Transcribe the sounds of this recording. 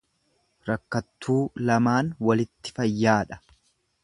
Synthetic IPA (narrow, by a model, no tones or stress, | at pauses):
ɾɐkːɐt̪ːuːlɐmaːnwɐlɪt̪ːɪ̥fɐjːaːᶑɐ̥